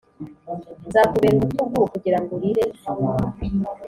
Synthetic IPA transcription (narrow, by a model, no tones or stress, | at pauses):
nzaːkuβeɡutuɡukuɟiɾaŋɡoɾiɾe